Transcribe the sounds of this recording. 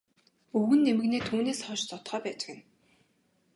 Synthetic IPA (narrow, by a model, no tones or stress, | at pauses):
ɵɣɘ̆nːemɘ̆ɣneːt̪ʰuːneːsχɔʃt͡s̪ɔt̪χœːpæːt͡ɕɪ̥̆kɘ̆n